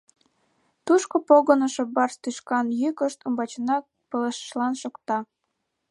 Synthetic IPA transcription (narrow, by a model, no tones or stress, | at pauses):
t̪uʃkopoɣənəʃĕbɑrst̪yʃkɑnjykəʃt̪ŭmbɑt͡ɕənɑk̚ | pələʃə̥ʃlɑnʃokt̪ɑ